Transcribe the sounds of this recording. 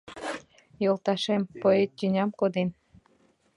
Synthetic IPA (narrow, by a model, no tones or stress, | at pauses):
jolˠt̪ɑʃempoet̪t̪ʲynʲɑmkod̪en